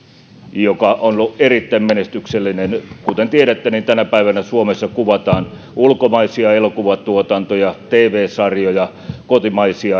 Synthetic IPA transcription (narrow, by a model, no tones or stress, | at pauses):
jokɑʔonluʔerit̪ːæimmenest̪ykselːinenkut̪ent̪ieɾæt̪ːænint̪ænæpæiʋænæsuomesːɑkuʋɑt̪ɑːn | ulkomɑisiɑelokuʋɑt̪uot̪ɑnt̪ojɑt̪eːʋeːsɑrjojɑ | kot̪imɑisiɑ